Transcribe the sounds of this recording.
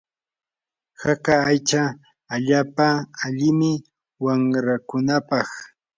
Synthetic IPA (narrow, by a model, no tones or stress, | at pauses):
hakaːjt͡ʃaː | ʎaːpaːʎɪmɪ | waŋɾakʊnapɑχ